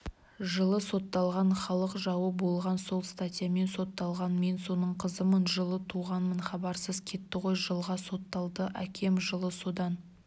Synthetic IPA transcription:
ʒəlˠəso̞t̪ːɑlˠʁɑnχɑlˠəqʒɑwəbo̞lˠʁɑnso̞lˠst̪at̪ʲijame̞nso̞t̪ːɑlˠʁɑnme̞nso̞nəɴqʰəzəmənʒəlˠət̪ʰuʁɑnmənχɑbɑɾsəzkʲʰe̞t̪ːɪqo̞jʒəlˠʁɑso̞t̪ːɑlˠd̪əʔækʲʰe̞mʒəlˠəso̞d̪ɑn

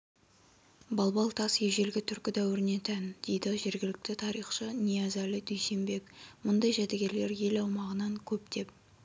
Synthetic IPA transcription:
bɑlˠbɑlˠt̪ʰɑsjeʒe̞lɡʲɪt̪ʰʏɾkʲɪd̪æwɪɾɪne̞t̪ʰænd̪̥e̞jd̪ɪʒe̞ɾɡʲɪlɪk̚t̪ɪt̪ʰɑɾijχʃənijɑzælɪd̪ɵjse̞mbe̞kmʊnd̪ɑjʒæd̪eɡʲe̞ɾle̞ɾje̞lɑwmɑʁənɑŋkʲʰɵp̚d̪̥e̞p̚

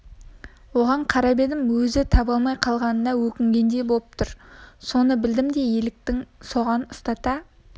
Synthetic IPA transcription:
wo̞ʁɑɴqʰɑɾɑbe̞d̪ɪmwɵzɪt̪ʰɑbɑlˠmɑjqʰɑlˠʁɑnənɑwɵkʲɪŋɡʲe̞nd̪e̞bolˠəp̚t̪ʰʊɾso̞nəbɪld̪ɪmd̪e̞je̞lɪk̚t̪ɪŋso̞ʁɑnʊst̪ɑt̪ɑ

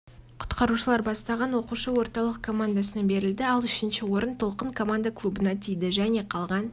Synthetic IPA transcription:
qʰʊ̥t̪qɑɾuʃəlˠɑɾbɑst̪ɑʁɑnwo̞quʃəwo̞ɾt̪ɑlˠəq̚kʰo̞mand̪asənɑbe̞ɾɪld̪ɪɑlˠʏʃɪnʃɪwo̞ɾənt̪ʰo̞lˠqəɴkʰo̞mand̪aklˠubənɑt̪ʰijd̪ɪʒæne̞qʰɑlˠʁɑn

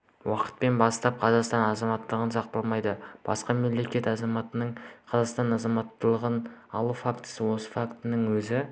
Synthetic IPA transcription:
wɑqə̥t̪̚pe̞nbɑst̪ɑp̚qʰɑzɑqst̪ɑnɑzɑmɑt̪ːəlˠəʁənsɑq̚t̪əlˠmɑjd̪əb̥ɑ̰sqɑmemle̞kʲe̞t̪ɑzɑmɑt̪əɴqʰɑzɑqst̪ɑnɑzɑmɑt̪ːəlˠəʁənɑlˠufakt̪ə̥səwo̞sə̥fakt̪ənəŋwɵzɪ

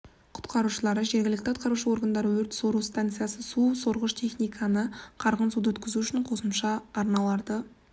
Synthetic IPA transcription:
qʰʊ̥t̪qɑɾuʃəlˠɑɾəʒe̞ɾɡʲɪlɪkt̪ɪʊ̥t̪qɑɾuʃəwo̞ɾɡənd̪ɑɾəwɵɾt̪so̞ɾust̪ant̪sɨjasəsuso̞ɾʁəʃt̪ʰe̞χnijkʰɑnəqʰɑɾʁənsud̪əwɵt̪kʲɪzuʏʃɪɴqʰo̞səmʃɑːɾnɑlˠɑɾd̪ə

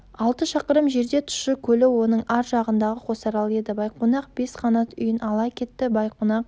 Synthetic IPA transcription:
ɑlˠt̪əʃɑqəɾəmʒe̞ɾd̪e̞t̪ʰʊ̥ʃɪkʲʰɵlɪwo̞nəɴɑɾʒɑʁənd̪ɑʁəqʰo̞sɑɾɑlˠe̞d̪ɪbɑjqʰonɑq̚b̥e̞sqʰɑnɑt̪ʏjɪnɑlˠɑkʲʰe̞t̪ːɪbɑjqʰonɑq̚

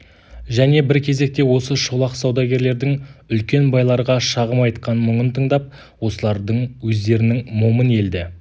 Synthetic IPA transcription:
ʒæne̞bɪɾkʲʰe̞ze̞k̚t̪e̞wo̞səʃolˠɑqsɑwd̪ɑɡʲe̞ɾle̞ɾd̪ɪŋʏlkʲe̞nbɑjlˠɑɾʁɑʃɑʁəmɑjt̪qɑnmʏɴənt̪ʰəɴd̪ɑp̚ | wo̞səlˠɑɾd̪əɴwɵzd̪e̞ɾɪnɪŋmoməne̞ld̪ɪ

